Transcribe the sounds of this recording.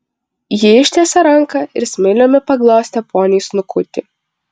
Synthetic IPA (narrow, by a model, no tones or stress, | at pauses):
jɪɪʃʲt̪ʲeːsɐɾɐŋˑkɐɪɾsʲmʲɛɪlʲoːmʲɪpɐɡlˠoːsʲt̪ʲɛpʰoːnʲijsnʊkʊt̪ʲɪ